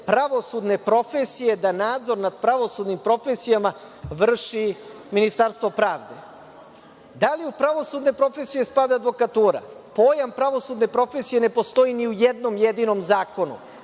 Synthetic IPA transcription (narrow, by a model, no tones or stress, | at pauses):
pɾaʋo̞sud̪ne̞pɾo̞fesije̞d̪anaːd̪zo̞ɾnad̪̚pɾaʋo̞sud̪nimpɾo̞fesijama | ʋr̩ʃi | minist̪aɾst̪ʋo̞pɾaːʋd̪e̞ | d̪aliupɾaʋo̞sud̪ne̞pɾo̞fesije̞spad̪ead̪ʋo̞kat̪uːɾa̰po̞ːjampɾaʋo̞sud̪ne̞pɾo̞fe̞sije̞ne̞po̞st̪o̞jiniujed̪no̞mjed̪ino̞mzaːko̞nṵ